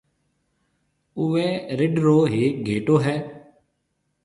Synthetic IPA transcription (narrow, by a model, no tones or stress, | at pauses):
ʊʋẽːɾɪɖɾoːɦiːɡʱeːʈoːɦɛː